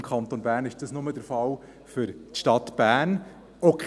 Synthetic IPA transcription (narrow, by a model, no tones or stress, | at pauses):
mkʰχɑnt̪onbæːɾnɪʃd̥ɑsnʊmədəɾfɑl | fʏɾtʃtɑt̪b̥æːn | ɔkʰ